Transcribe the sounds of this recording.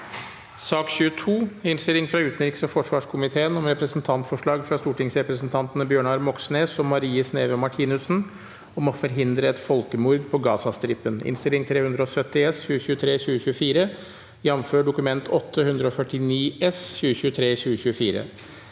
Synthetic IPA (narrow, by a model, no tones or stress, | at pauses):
sɑːkɕʉːət̪ʰuːɪnst̪ɪlɪŋfɾɑʉːt̪nɾɪksɔfɔʂʋɑːʂkʰʊmɪt̪ʰeːənɔmɾɛpɾəsnt̪ʰɑnt̪fɔʂɭɑːɡfɾɑst̪uːʈɪŋsɾɛpɾəsnt̪ʰɑnt̪ənəbjøːɳɑːɾmɔksneːsɔmmːɑɾiːəsneːʋəɔmɑʈʰiːnʉsn̩ | ɔmɔfɔɾɦɪnd̪ɾəɛt̪fɔlkəmʊɾd̪pʰɔɡɑːsɑst̪ɾɪpːənɪ̰nst̪ɪlɪŋt̪ʰɾeːhʉnd̪ɾəɔsœt̪ːɪɛsçʉːəɕʉːət̪ʰɾeːçʉːəɕʉːəfiːɾə | jɑʋmføːɖʊkʉmɛnt̪ʰɔt̪ʰːəhʉnd̪ɾəɔfœʈːɪniːɛsçʉːəɕʉːət̪ʰɾeːçʉːəçʉːəfiːɾə̰